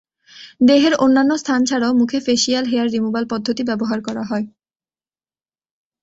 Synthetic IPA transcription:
d̪eɦeɾonːanːost̪ʰant͡ɕʰaɽaomukʰefeʃialɦeaɾːimubalpɔd̪ʱːot̪ibɛboɦaɾkɔɾaɦɔe

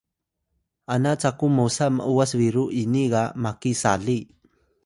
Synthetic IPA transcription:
anat͡sakumosama̰ʔuasβiɾuʔiniɣamakisaɮi

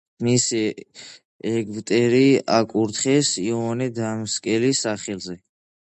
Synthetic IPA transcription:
misi | ɛɡvt̪ʼɛɾiakʼuɾt̪ʰχɛsiɔnɛd̪amskʼɛlisaχɛlzɛ

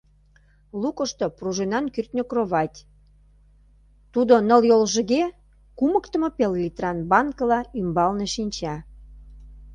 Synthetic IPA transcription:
lukə̆ʃt̪opruʒenɑnkyrt̪ʲnʲokroβɑt̪ʲ | t̪ud̪onəljolʒə̆ɣe | kuməkt̪əməpellʲit̪rɑnbɑnkəlɑymbɑlneʃinʲt͡ɕɑ

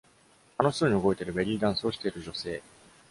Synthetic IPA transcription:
ano̞çt̪oɲ̟ioɡo̞it̪e̞ɾɯ̟beɾʲiːd̪ãɰ̃sɨo̞ɕʲi̥t̪e̞iɾɯ̟ʑo̞se̞ː

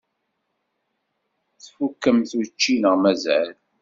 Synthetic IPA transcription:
θfukːəmθut͡ʃːinəʁmæzʕæl

